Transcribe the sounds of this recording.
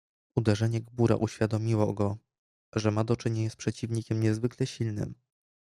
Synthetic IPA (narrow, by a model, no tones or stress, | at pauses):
ud̪ɛʐɛɲɛɡbuɾa̰ʔuɕfʲjad̪ɔmʲiwɔɡɔ | ʐɛmad̪ɔt͡ʂɘɲeɲaspʂɛt͡ɕivɲikʲɛmɲɛzvɘklɛɕilnɘ̰m